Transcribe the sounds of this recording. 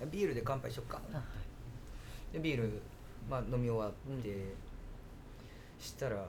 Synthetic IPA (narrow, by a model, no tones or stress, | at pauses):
abʲiːɾɯ̟d̪e̞kãmpaiɕokːaa | d̪ebʲiːɾɯ̟ | maːno̞mʲioβad̪e | ɕi̥t̪aɾa